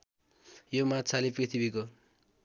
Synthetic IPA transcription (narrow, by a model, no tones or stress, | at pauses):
jomat̪t͡sʰaleprit̪ʰibiko